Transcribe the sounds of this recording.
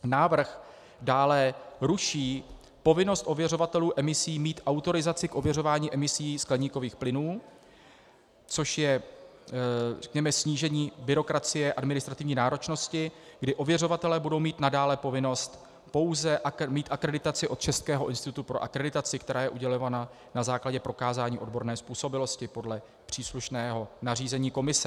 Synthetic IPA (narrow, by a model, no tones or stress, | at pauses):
naːvr̩x | daːlɛɾuʃiː | po̞vɪno̞st̪ʔo̞vjɛro̞vat̪ɛluːʔɛmɪsiːmiːt̪ʔawt̪o̞ɾɪzat͡sɪkʔo̞vjɛro̞vaːɲiːʔɛmɪsiːsklɛɲiːko̞viːxplɪnuː | t͡so̞ʃjɛ | rɛ̥kɲɛmɛsɲiːʒɛɲiːbɪɾo̞kɾat͡sɪjɛʔadmɪnɪst̪ɾat̪ɪvɲiːnaːɾo̞t͡ʃno̞scɪɡdɪʔo̞vjɛro̞vat̪ɛlɛːbudo̞wmiːt̪nadaːlɛpo̞vɪno̞st̪ | po̞wzɛʔmiːt̪akɾɛdɪt̪at͡sɪʔo̞t̪̚t͡ʃɛst̪kɛːɦo̞ʔɪnst̪ɪt̪ut̪upɾo̞̰ʔakɾɛdɪt̪at͡sɪkt̪ɛɾaːjɛʔuɟɛlo̞vana | nazaːklaɟɛpɾo̞kaːzaːɲiːʔo̞dbo̞ɾnɛːspuːso̞bɪlo̞scɪpo̞dlɛ | pr̝̥iːsluʃnɛːɦo̞nariːzɛɲiːko̞mɪsɛ